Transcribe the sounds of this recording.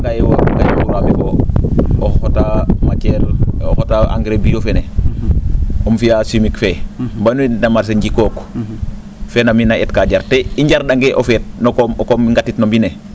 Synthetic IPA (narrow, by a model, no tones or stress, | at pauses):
ɡajwaɡajwounuamifo | ootamat͡ʃelohotaa̰ŋɡɾebijofene | omfijasimikfembanuinnamaɾs̬eɲɟikok | feːnaminaetkaɟaɾteiɲɟaɾdaŋɡeʔofet̚nokomkomiŋɡatitnombine